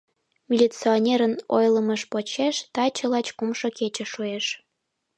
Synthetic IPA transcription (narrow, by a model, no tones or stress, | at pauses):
mʲilʲit͡sionʲeɾəno̰jləməʃpot͡ɕeʃt̪ɑt͡ɕəlɑt͡ɕkumʃoket͡ɕə̆ʃueʃ